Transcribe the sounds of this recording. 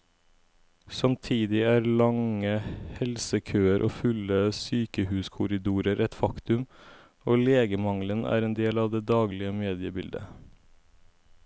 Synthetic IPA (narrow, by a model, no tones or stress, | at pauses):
sɑmt̪ʰiːd̪ɪæːɾlɑŋəhɛlsəkʰøːəɾʔo̰ːfʉləsyːkəhʉːskʰʊɾɪd̪uːɾəɾʔɛt̪fɑkt̪ʉm | oːleːɡəmɑŋlənʔæ̰ːɾeːnd̪eːlɑːʋd̪eːd̪ɑːɡlɪəmeːd̪ɪəbɪld̪ə̰